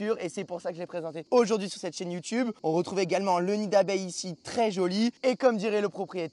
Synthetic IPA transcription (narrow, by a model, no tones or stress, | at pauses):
yʁesɛpuʁsakəʒəlɛpχezɑ̃t̪eoʒuʁd̪ɥisyʁsɛt̪ʃɛnjut̪ybɔ̃ʁət̪χuveɡalmɑ̃lənid̪abɛjisit̪χɛʒɔliekɔmd̪iʁɛləpχɔpχijet̪